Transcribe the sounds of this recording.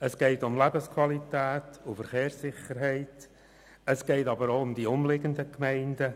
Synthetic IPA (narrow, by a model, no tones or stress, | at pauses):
əsɡ̥ɛɪtʊmlæbəskʰwɑlitɛːtʊfəɾχeːɾsɪχəɾɦɛɪt | əsɡ̥ɛɪtɑbəɾoːʊmdiʊmlɪɡəndəkmɛɪndə